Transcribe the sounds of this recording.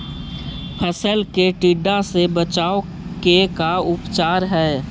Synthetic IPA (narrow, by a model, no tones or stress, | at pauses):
pʰəsəlkeʈiɖasebət͡ʃaːo | kekaʊpt͡ʃaːɾɦɛː